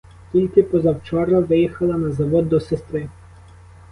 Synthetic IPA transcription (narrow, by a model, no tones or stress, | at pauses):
t̪ʲilʲkɪpɔzɐwt͡ʃɔɾɐʋɪjixɐlˠɐnɐzɐʋɔd̪ːɔsɛst̪ɾɪ